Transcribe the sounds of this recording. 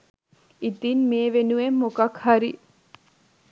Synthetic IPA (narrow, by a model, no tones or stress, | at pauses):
it̪inmeːʋenuʋemːokɐkhaɾi